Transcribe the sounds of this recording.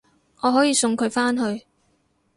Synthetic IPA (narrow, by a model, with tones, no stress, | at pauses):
ŋɔː˨˧ɦɔː˨˥jiː˨˧sʊ˧ŋkʰɵ˨˧ɥfaː˥nɦɵ˧ɥ